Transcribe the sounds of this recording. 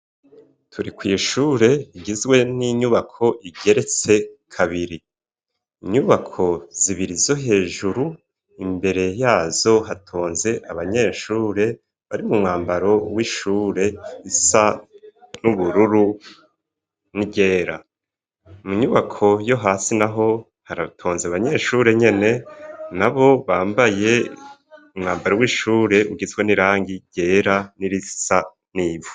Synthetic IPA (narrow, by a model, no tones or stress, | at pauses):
tʰuɾikwiːʃuːɾe̞iɟizɡwe̞niɲuβakʰo̞ʔiɡe̞ɾe̞t͡se̞kʰaβiɾi | iɲuβakʰo̞z̥iβiɾizo̞ɦe̞ːʒuɾu | imbe̞ɾe̞jaːzo̞ɦatʰo̞ːnze̞ʔaβaɲe̞ːʃuːɾe̞ | βaɾimumŋaːmbaɾo̞wiʃuːɾe̞isa | nuβuɾuɾu | niɟe̞ːɾa̰ | muɲuβakʰo̞jo̞ɦaːsinaɦo̞ | haɾatʰoːnzeaβaɲe̞ːʃuːɾe̞ɲe̞ne̞naβo̞βaːmbaje̞ | umŋaːmbaɾowiːʃuːɾe̞uɡizɡweniɾaːŋɡiɟ̥e̞ːɾaniɾisa | niːvu̥